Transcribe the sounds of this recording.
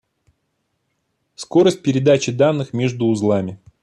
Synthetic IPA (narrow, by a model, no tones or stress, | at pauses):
sko̞ɾəsʲt̚ʲpʲɪɾʲɪd̪at͡ɕɪd̪anːɨxmʲeʐd̪ʊːzlˠamʲɪ